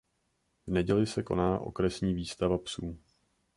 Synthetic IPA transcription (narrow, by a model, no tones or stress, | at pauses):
vnɛɟɛlɪsɛko̞̰naːʔo̞̰kɾɛsɲiːviːst̪avapsuː